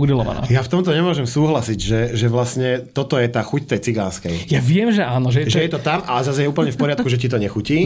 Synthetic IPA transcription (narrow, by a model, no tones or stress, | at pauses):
ud̪ilɔʋa̰na̰ːjaft̪ɔmt̪ɔɲɛmʊɔʒɛmsuːɦlasiɟʒɛʒɛʋlasɲɛt̪ɔt̪ɔjɛt̪aːxuct̪ɛjt͡siɡaːnskɛjjaʋɪɛmʒɛaːnɔʒɛjɛʒʒɛjɛt̪ɔt̪amalɛzazjɛuːpl̩ɲɛfpɔɾɪat̪kuʒɛcit̪̬ɔɲɛxuciː